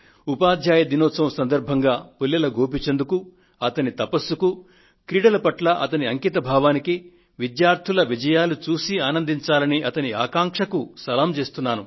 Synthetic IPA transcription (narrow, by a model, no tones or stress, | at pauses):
upaːd̪ʱjaːjɐd̪inɔːsɐmsɐnd̪ɐɾbʱɐŋɡaːpulːɐlɐɡoːp̬it͡ʃe̞nd̪uku | ɐt̪ɐnit̪ɐpɐsuku | kɾiːɽɐlɐpɐʈlɐʔɐt̪ɐniɐŋkit̪ɐbʱaːʋaːniki | ʋid̪jaːɾt̪ʰulɐʋid͡ʒɐjaːlut͡ʃuːsiaːnɐnd̪ʱiɲt͡ʃaːlɐniʔɐt̪ɐnia̰ːkaːŋkʂɐkusɐlaːmt͡ʃe̞ːst̪unːaːnu